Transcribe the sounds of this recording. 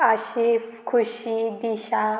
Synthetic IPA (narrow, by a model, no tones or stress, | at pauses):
əɕikʰuɕid̪iɕa